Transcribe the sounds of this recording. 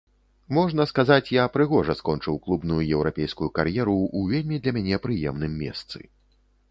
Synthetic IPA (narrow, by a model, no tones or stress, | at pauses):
mɔʐnɐskazat͡sʲjapɾɨɣɔʐɐskɔnt͡ʂɨwklˠubnujujɛwɾapʲejskujukaɾjɛɾuːvʲelʲmʲid̪lʲɐmʲanʲɛpɾɨjɛmnɨmːʲɛ̰st̪sɨ̰